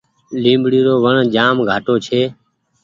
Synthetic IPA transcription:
lĩːmbɽiːɾoːʋəɳd͡ʒaːmɡʱaːʈoːt͡ʃʰeː

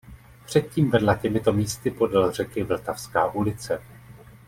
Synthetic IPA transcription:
pr̝̥ɛt̪̚ciːmvɛdlacɛmɪt̪o̞miːst̪ɪpo̞dalr̝ɛkɪvl̩t̪afskaːʔulɪt͡sɛ

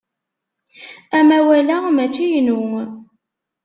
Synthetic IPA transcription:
æmæwælæmæt͡sːijnuŋ

